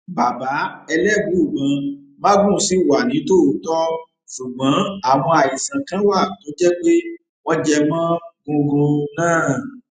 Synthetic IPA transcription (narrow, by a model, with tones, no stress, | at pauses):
ba˨ba˨˦ɛ˧lɛ˦˨bũ˨˦u˦˨ɡ͡bã˨˧ | mã˦ɡũ˦˨˦si˦˨wa˨nĩ˨˦to˦u˨˦tɔ˦ | su˨ɡ͡bã˨˦a˦˨w̃ɔ̃˧a˨ji˨sã˨kã˦wa˦˨˦to˨˦d͡ʒɛ˦k͡pe˦ | wɔ˦d͡ʒɛ˧mã˦ɡũ˧ɡũ˧nãː˦˨